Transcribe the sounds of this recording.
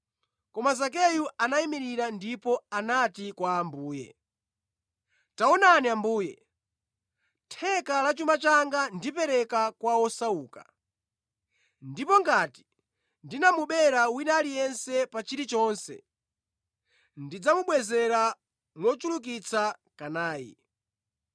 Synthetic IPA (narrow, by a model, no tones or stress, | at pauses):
kɔmazak̬ɛjuanaimiɾiɾandipɔanatikwaːmbuːjɛ̰ | taɔnaniambuːjɛ̰ | tʰɛkalat͡ʃumat͡ʃaŋɡandipɛɾɛkakwaɔsauːka̰ | ndipɔŋɡati̥ | ndinamuɓɛɾawinalijɛnsɛpat͡ʃiɾit͡ʃɔːnsɛ̰ | ndid͡zamuɓwɛzɛɾa | nɔt͡ʃuluk̬it͡sʰakanaːjḭ